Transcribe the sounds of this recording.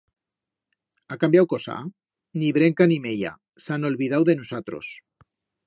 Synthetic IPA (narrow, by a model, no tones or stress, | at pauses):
akambjawko̞sa̰ | niβɾe̞ŋkanimeʎa̰ | sano̞lβið̞awðe̞nusat̪ɾo̰s